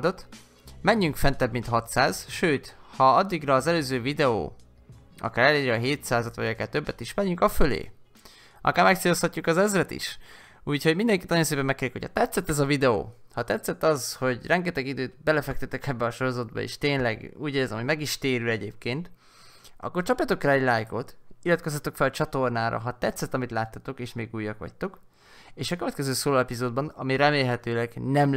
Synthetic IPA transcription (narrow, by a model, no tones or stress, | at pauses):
d̪o̞t̪ | mɛɲːyŋkfɛnt̪ɛbmint̪hɒt̪saːz̥ʃøːt̪hɒɒd̪ːiɡrɒːzɛløːzøːvid̪ɛo̰ː | ɒ̰kaːɾɛleːɾɛːɦeːt̪saːzɒt̪vɒ̰ɟɒkaːrt̪øbːɛt̪iʃmɛɲːyŋkɒfølḛː | ɒ̰kaːɾmɛk̚t̪seːloshɒcːukɒzɛzrɛt̪ḭʃ | uːcho̞ɟmind̪ɛŋkit̪ɒjonseːpɛmːɛkːeːɾikochɒ̰t̪ɛt̪sɛt̪ːɛzɒvid̪ɛo̰ːhɒt̪ɛt̪sɛt̪ːɒzho̞ɟrʔɛŋɡɛt̪ɛɡid̪øːt̪bɛlɛfɛk̚t̪øt̪ɛkɛbːɛɒʃo̞ɾo̞zɒd̪̚bɒ̰ḛːʃt̪eːnlɛɡuːɟeːɛzɛ̰mɦomɛɡiʃt̪eːɾylɛɟeːp̚keːnt̪ | ɒ̰kːo̞rt͡ʃɒpjɒt̪o̞kraːɛɟlaːjko̞t̪ilːɒt̪ko̞s̬ɒt̪okfɛlɒt͡ʃɒt̪o̞rnaːɾɒ̰ɦɒt̪ɛt̪sːɛt̪ːɒmit̪laːt̪ːɒt̪o̞keːʃmeːɡuːjːɒkʋɒ̰ct̪ok | eːʃɒkøvɛt̪kɛzøːsoːlɒɛpizoːd̪̚bɒnɒmiɾɛmeːlɦɛt̪øːlɛɡnɛm